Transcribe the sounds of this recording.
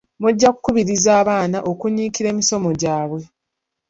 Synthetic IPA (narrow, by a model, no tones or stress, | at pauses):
muɟːaku̥kuβiɾizaːβaːnaʔo̞kuɲːiːkiɾe̞ːmiso̞mo̞ɟaːβwe̞